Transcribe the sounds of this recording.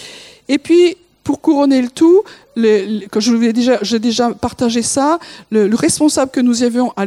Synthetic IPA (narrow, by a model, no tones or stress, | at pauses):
epɥi | puʁkuʁɔnelət̪u | lekɔʒəvulɛd̪eʒaʒəɛd̪eʒapaʁt̪aʒesalələʁɛspɔ̃sabləkənuziavjɔ̃ʔa